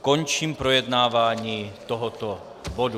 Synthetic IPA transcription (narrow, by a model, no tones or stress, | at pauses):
kɔɲt͡ʃiːmpɾɔjɛd̪naːʋaɲiːt̪ɔɦɔt̪ɔ | bɔd̪u